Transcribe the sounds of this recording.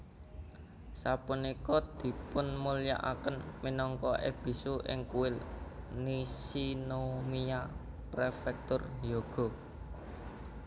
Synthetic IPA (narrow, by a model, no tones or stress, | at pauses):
sapunikɔd̪̥i̤pʊnmulija̰ʔakənminɔŋkɔʔḛb̥i̤suʔɪ̰ŋkuwɪlnisinomia | pɾefɛk̚t̪ʊrjoɡ̥ɔ̤